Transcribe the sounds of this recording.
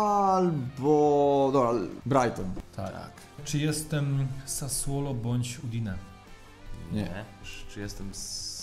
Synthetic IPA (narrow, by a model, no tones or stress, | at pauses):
lbɔd̪ɔbɾaalbɾajt̪ɔnt̪ʰa̰a̰k | t͡ʂɨjɛst̪ɛmsaswɔlɔbɔɲʲt͡ɕud̪inɛ | ɲɲɛɛt͡ʂɨjɛst̪ɛms